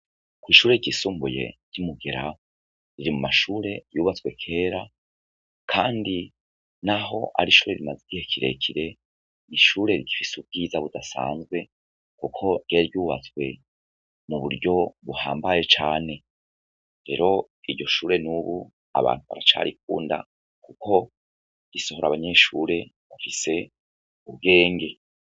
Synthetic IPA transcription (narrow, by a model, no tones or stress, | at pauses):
kwiːʃuːɾe̞ɟisuːmbuje̞̰ɟ̥umuɡe̞ɾawo | ɾiɾimumaʃuːɾe̞juːβat͡swe̞kʰe̞ːɾa | kʰaːndi | naɦo̞ʔa̰ɾiʃuːɾe̞ɾimaziɟihe̞kʰiɾe̞̰kʰiɾe̞ | iʃuːɾe̞ɾiɟifisub̚ɡiːzaβudasa̰ːnzɡwe̞ | kukʰo̞jeɾɟuːβa̰t͡swe̞ | muβuɾɟo̞βuhaːmbaje̞t͡ʃaːne̞ | ɾe̞̰ɾo̞ | iɾɟo̞ʃuːɾe̞nuβu | a̰βa̰ːn̥huβa̰ɾat͡ʃa̰ːɾik̚uːnda̰ | kukʰo̞ | ɡ̥iso̞hoɾaβaɲe̞ʃuːɾe̞ | βafise̞ | ubɡe̞ːŋɡe̞